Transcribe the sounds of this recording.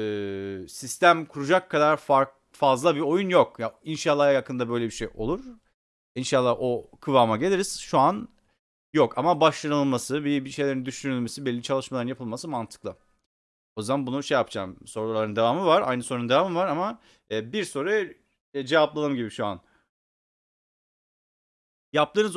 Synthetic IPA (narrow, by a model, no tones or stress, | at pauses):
ɛːsist̪æmkʰuɾud͡ʒakʰːad̪aɾfaɾk | fazlˠabio̞junjokjainʃalˠːajakʰɯnd̪abø̞jlʲebiʃejo̞lˠuɾ̥ | inʃalˠːaho̞kʰɯvaːmaɟe̞lʲeɾiz̥ʃuan | jokamabaʃlˠanɯlˠmasɯbibiʃe̞jlʲeɾind̪yʃynylʲme̞sibɛlʲːit͡ʃʰalˠɯʃmalˠaɾɯnjapʰɯlˠmasɯmant̪ʰɯ̥klˠɯ | o̞jzd̪anbunuʃejapd͡ʒa̰ːmso̞ɾllˠaɾɯnd̪e̞vaːmɯvaɾa̰jnɯsoɾnd̪e̞vaːmɯmvaɾamaː | biɾso̞ɾaj | d͡ʒe̞vaplˠanˠɯmɟibiʃua̰n | jap̚t̪ɯːnɯz